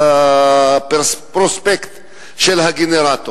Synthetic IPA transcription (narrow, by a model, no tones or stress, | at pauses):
pepɾospekt̪ | ʃelhaɡeneɾat̪o